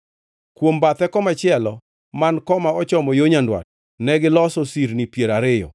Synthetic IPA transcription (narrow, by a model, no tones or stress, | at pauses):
kwombat̪ɛkɔmat͡ʃɪɛlɔ | mankɔmaɔt͡ʃɔmɔjoɲandwa̰t̚ | nɛɡɪlɔsɔsiɾnipjeɾaɾɪjɔ̰